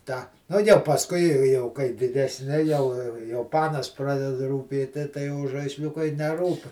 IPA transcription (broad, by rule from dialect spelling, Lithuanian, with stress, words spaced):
tɑː ˈnʊ jɛʊ pɐsˈkʊɪ ɪ jɛʊ kɐɪ dʲɪdʲɛsʲˈnʲɪ jɛʊ jɛʊ ˈpɑːnɐs ˈprɑːdʲɛdɐ ruːˈpʲeːtʲɪ tɐɪ jɛʊ ʒɐɪsʲˈlʲʊkɐɪ nʲɛˈruːp